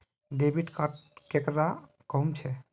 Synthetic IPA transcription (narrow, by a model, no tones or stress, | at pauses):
ɖebiʈkaʈkekɾa | kɔumt͡ʃʰɛ